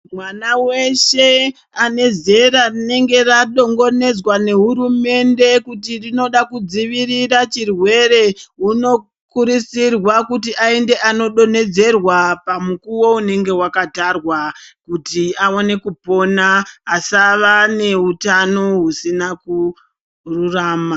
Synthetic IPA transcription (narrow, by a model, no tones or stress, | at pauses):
mwanawe̞ʃe̞ | ane̞ze̞ɾarine̞ŋɡe̞raɗo̞ŋɡo̞ne̞d͡zwane̞ɦuɾume̞nde̞kutirino̞ɗakud͡ziʋirirat͡ʃirwe̞ɾe̞ɦuno̞ | kuɾisirwakutiʔaende̞ʔano̞ɗo̞ne̞d͡ze̞rwapamukuwo̞une̞ŋɡe̞wakatarwakutiaone̞kupo̞naːsaʋane̞utano̞ɦusinaku | ruraːma